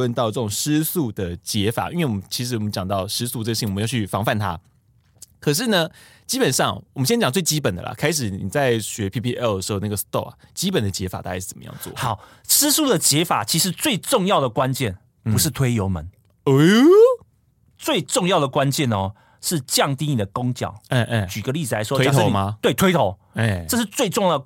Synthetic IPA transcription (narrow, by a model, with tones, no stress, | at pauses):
ə˥˧nt̪ɑ˥˧ʊʈ͡ʂɤ˥˩ʈ͡ʂʊ˨˩ŋʂɻ̩˥su˥˩d̪ə˩t͡ɕjɛ˧˥fa̰˨˩ʔi˥nwe˥˩wɔ˨mə˦t͡ɕʰi˧˥ʂɻ̩˧˥wɔ˨mə˦nt͡ɕjɑ˨˩ŋt̪ɑ˥˩ʊʂɻ̩˥su˥˧ʈ͡ʂə˥˧ə˧ɕi˥˩ŋwə˦jɑ˥˧˩t͡ɕʰy˥˩fɑ˧˥ŋfa˥˩nt̪ʰa̰˦˥ | kʰɤ˨˩ʂ̬ɻ̩˥˩nə˨ | t͡ɕi˥pə˨˩nʂɑ˥˩ŋwɔ˨mə˦nɕjɛ˥nt͡ɕɑ˨˩ŋt͡swe˥˩ɪt͡ɕi˦˥pə˨˩nd̪ə̰˨lɐ̰˨˩kʰa˥ɪʂ̬ɻ̩˨˩ni˨˩t͡sa˥˩ɪɕɥɛ˧˥pʰi˥pʰi˥ʔɛ˥ld̪ə˩ʂɻ̩˧˥o˧na˥˩ɡə˩st̪o˥˩a̰˨˩t͡ɕi˦˥pə˨˩nd̪ə˦t͡ɕjɛ˧˥fa̰˨˩t̪a˥˩˥ʂɻ̩˥˩t͡sə˨˩mə˦jɑ̰˥˧ŋt͡swɔ̰˥˩hɑ˨˩˦ʊ | t͡sʰɹ̩˥su˥˩d̪ə˩t͡ɕjɛ˧˥fa̰˨˩t͡ɕʰi˧˥ʂɻ̩˧˥t͡swe˥˧ɪʈ͡ʂʊ˥˧ŋjɑ˥˨ʊd̪ə˩kwa˦nt͡ɕjɛ˥˩n | pu˧˦ʂɻ̩˥˩t̪ʰwe˥ɪjo˧˥ʊmə̰˨˦n | t͡swe˥˧ɪʈ͡ʂʊ˥˧ŋjɑ˥˩ʊd̪ə˩kwa˦nt͡ɕjɛ˥˨˩nɔ˨ | ʂɻ̩˥˨t͡ɕjɑ˥˨ŋt̪i˥ni˨˩d̪ə˩kʊ˥ŋt͡ɕjɑ̰˨˩ʊ˥˧˥t͡ɕy˨˩ɡə˦li˥˨d͡z̩ɨ˨˩la˧ɪʂwɔ˥e˥˧˦ma˧t̪we˥˩ɪt̪ʰwe˥ɪt̪ʰo˨˧˦ʊ˧˩ʈ͡ʂɤ˥˧ʂ̬ɻ̩˥˧t͡swe˥˧ɪʈ͡ʂʊ˥˧ŋj